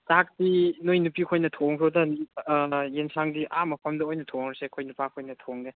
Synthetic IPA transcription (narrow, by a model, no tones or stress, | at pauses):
sak̚tinojnupikʰojnɐtʰoŋpʰodɐnijensʰaŋdiʔamɐpʰɐmdɐojnɐtʰoŋɾsekʰojnupakʰojnɐtʰoŋde